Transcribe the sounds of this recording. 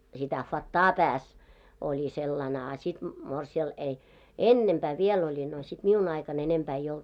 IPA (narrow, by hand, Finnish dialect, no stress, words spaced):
sitæ fɑtːɑː pæːs olʲi selːɑn ɑ sit morsiɑl ei enːempæː ʋiel olʲi no sit miun ɑikɑn enempæː ei olt